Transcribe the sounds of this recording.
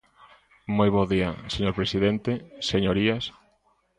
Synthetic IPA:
mojβɔðiaseɲoɾpɾesiðɛnt̪eseɲoɾias

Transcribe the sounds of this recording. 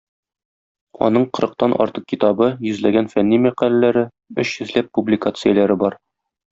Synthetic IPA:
ɒ̰n̪ɤɴqɤ̆ɾɤ̆q̚t̪ɑnʔɒ̰ɾt̪ɤq̚kʲit̪ɑbɤjɵ̆zlæɡænfænːimæqælælæɾɘ | ɵɕhɵ̆zlæpːublʲɪkat̪sɨjalæɾɘbɒɾ

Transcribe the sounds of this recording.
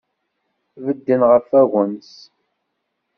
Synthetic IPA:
vəd̪ːənʁəfæɣəns

